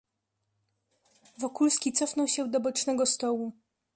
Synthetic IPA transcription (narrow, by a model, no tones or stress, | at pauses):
vɔkulskʲit̪sɔfnɔwɕɛwd̪ɔbɔt͡ʂnɛɡɔst̪ɔwu